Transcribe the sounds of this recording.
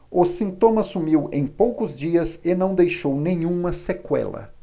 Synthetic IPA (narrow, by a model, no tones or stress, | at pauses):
ʊsĩnt̪õmɐsumiwẽj̃powkʊzd͡ʒiɐzɪnɐ̃w̃d̪ejʃownẽɲ̃ũmɐsekwɛ̰lɐ̰